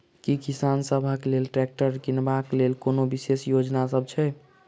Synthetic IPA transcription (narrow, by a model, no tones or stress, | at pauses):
kikisansəbʱakelelʈɾɛk̚ʈəɾkinbaklelkonobisesjod͡ʒnasəb̚t͡ʃʰɛ